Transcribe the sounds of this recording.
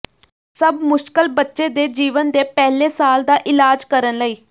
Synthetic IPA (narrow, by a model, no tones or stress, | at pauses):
səbmʊʃkəlbətːʃeːd̪eːd͡ʒiːʋənd̪eːpɛːleːsaːld̪aːʔɪlaːd͡ʒkəɾənləiː